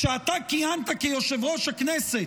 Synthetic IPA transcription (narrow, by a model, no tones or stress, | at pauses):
ʃeat̪akiant̪akejoʃevʁo̞ʃhaknɛset